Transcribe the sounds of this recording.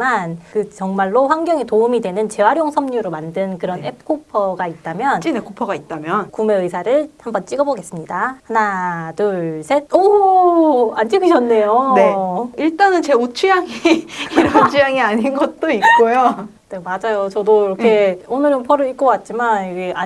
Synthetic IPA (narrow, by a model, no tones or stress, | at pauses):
mankɯt͡ɕʌŋmaɭːoɸwaŋɡjʌŋetoumidwe̞nɯnt͡ɕe̞waɾjoŋsʰʌmɲuɾomandɯnkɯɾʌnep̚ʰk͈ʰopʰʌɡait̚t͈amjʌnt͡ɕ͈inekʰopʰʌɡait̚t͈amjʌnkume̞ɯjsʰaɾɯɭhambʌnt͡ɕ͈iɡʌboɡe̞s͈ɯmɲidahanadɯɭsʰetʌ | and͡ʑiɡiɕʰʌnːe̞joneiɭt͈anɯnt͡ɕe̞ot͡ɕʰujaŋiiɾʌt͡ɕʰujaŋiaɲinɡʌt̚t͈oik̚k͈ojo | nemad͡ʑajot͡ɕʌdoiɾʌkkʰe̞onɯɾʌnpʰʌɾɯik͈̚ʌk͈at̚t͡ɕ͈imaniɡeʔa